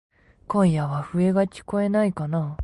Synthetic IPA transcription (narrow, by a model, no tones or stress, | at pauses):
kõ̞ɰ̃jaβaɸɯ̟e̞ɡaki̥ko̞e̞naikana